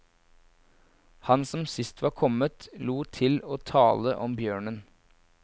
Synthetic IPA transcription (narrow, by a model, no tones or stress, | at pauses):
hɑnsɔmsɪst̪ʰʋɑːɾkʰɔmət̪luːt̪ʰɪloːt̪ʰɑːləʔɔmbjøːɳən